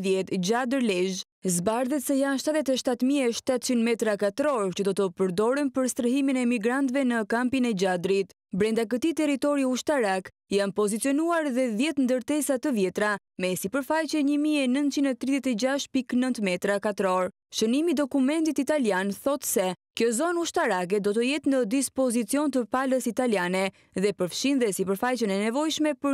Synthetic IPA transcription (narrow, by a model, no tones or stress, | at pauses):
ðjɛt̪d͡ʑad̪əɾlɛʒ | zbaɾðɛt̪sɛjanʃt̪at̪ðɛt̪ɛʃt̪at̪miɛʃt̪at̪t͡ʃind̪mɛt̪ɾakat̪ɾɔɾt͡ɕəd̪ɔt̪əpəɾd̪ɔɾɛnpəɾst̪ɾəɦiminɛmiɡɾant̪vɛnəkampinɛd͡ʑad̪ɾit̪ | bɾɛnd̪ak̬ət̪it̪ɛɾit̪ɔɾiuʃt̪aɾak | janpɔzit̪t͡sijɔnuaɾðɛðjɛt̪nd̪əɾt̪ɛsat̪əvjɛt̪ɾa | mɛsipəɾfajt͡ɕɛɲəmiɛnənt̪̚t͡ʃinɛt̪ɾiðjɛt̪ɛd͡ʑaʃpiknənt̪mɛt̪ɾakat̪ɾɔɾ | ʃənimid̪ɔkumɛnt̪it̪it̪aljanθɔt̪sɛkjɔzɔnuʃt̪aɾak̬ɛd̪ɔt̪əjɛt̪nəd̪ispɔzit͡siɔnt̪əpaləsit̪aljanɛ | ðɛpəɾfʃind̪ɛsipəɾfajt͡ɕənɛnɛvɔjʃmɛpəɾ